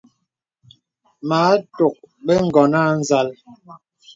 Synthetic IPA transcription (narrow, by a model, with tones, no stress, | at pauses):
ma˨˦to˨k̚ | ɓɛ˦ŋ̩˦˨ɡɔ˨na˦˨n̩˦za˦l